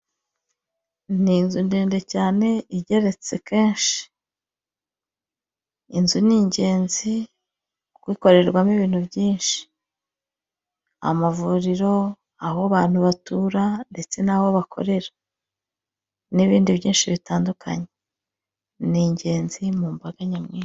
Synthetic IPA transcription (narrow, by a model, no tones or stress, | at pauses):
ninzundeːnde̞caːne̞iɟe̞ɾe̞t͡se̞̰ke̞ːnʃi̥ | inzuniːɲɟe̞ːnzi | kwiːko̞ɾe̞ɾɡwamiβiːn̥hubɟiːnʃi̥ | a̰mavuɾiɾo̞ | aɦoβaːn̥huβatuɾande̞t͡se̞naβo̞βakʰo̞̰ɾe̞ɾḁ | niβiːndiβɟiːnʃiβitaːndukʰa̰ɲe | niːɲɟe̞ːnzimuːmbaɡaɲamŋiːn